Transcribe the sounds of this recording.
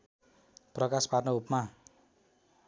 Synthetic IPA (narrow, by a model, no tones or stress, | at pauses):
prʌkasparnʌupma